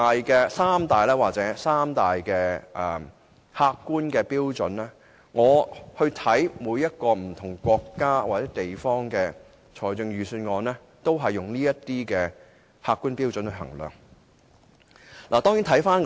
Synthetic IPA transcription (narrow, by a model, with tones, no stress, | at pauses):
aː˨jkɛː˧saː˥mt̪aː˨jlɛː˥waː˨k̚t͡sɛː˨˥saː˥mt̪aː˨jkɛː˧ʔɛː˨˩ | haː˧kːuː˥nkɛː˧piː˥wt͡sɵ˨˥nlɛː˥ | ŋɔː˨˧hɵ˧ɥt̪ʰɐ˨˥jmuː˨˧jːɐ˥t̚kɔː˧m̩˨˩t̪ʰʊ˨˩ŋkʷɔː˧kːaː˥waː˨t͡sɛː˨˥t̪e˨jfɔː˥ŋkɛː˧ | t͡ʃʰɔː˨˩jt͡sɵ˧ŋɥyː˨˩syː˧nŋɔː˨˧nɛː˥ | t̪o˥wɦɐ˨jːʊ˨ŋniː˥jɐ˥t̪iː˥kɛː˧ | haː˧kːuː˥npiː˥wt͡sɵ˨˧nhɵ˧ɦɐ̰˨˩ŋlœ̰ː˨˩ŋ | laː˨˩t̪ɔː˥ŋji˨˥nt̪ʰɐ˨˥jfaː˥n